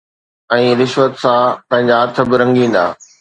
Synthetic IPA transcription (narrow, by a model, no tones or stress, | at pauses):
ɛ̃ːɾɪʃʋət̪sãpɐ̃ɦɪ̃ɲd͡ʑaɐt̪ʰə̆bɪɾɐ̃ŋɡĩːn̆d̪a̰ː